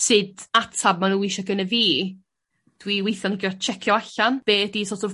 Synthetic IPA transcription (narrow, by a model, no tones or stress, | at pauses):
sɨdatʰab̚manuːiːʃɔɡənəviː | d̥wiwejθaniɡɔt͡ʃʰɛkʰjɔaɬanb̥eːdiːsɔtɔr